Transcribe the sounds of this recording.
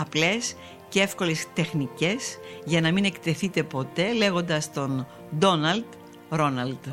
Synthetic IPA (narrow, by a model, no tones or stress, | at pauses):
ɐple̞s | cee̞fko̞le̞st̪e̞xnice̞sʝɐnɐmine̞kt̪e̞θit̪e̞po̞t̪e̞le̞ɣo̞nd̪ɐst̪o̞n | d̪o̞nɐld̪ | ɾo̞nɐld̪